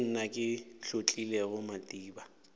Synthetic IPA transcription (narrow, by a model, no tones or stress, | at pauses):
n̩nakʼɪɬot͡ɬʼilɛɣʊmatʼiːba